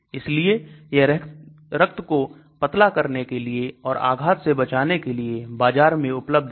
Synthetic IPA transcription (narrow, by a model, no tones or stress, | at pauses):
ɪslieje | ɾək̚t̪ko | pɐt̪lakɐɾnekelieɔːɾʔa̰ːɡʱaːt̪sebɐt͡ʃaːnekeliebaːd͡ʒaːɾmẽʊpləb̚d̪